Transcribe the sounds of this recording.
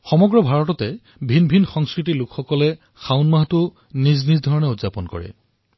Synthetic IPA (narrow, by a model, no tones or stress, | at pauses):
xɔmɔɡɹɔbʱaɹɔtɔtɛ | bʱinbʱinxɔŋskɹitilʊkxɔkɔlɛ | xaʊnmaɦtʊ | niznizdʱɔɹɔnɛutzapɔnkɔ̰ɹɛ̰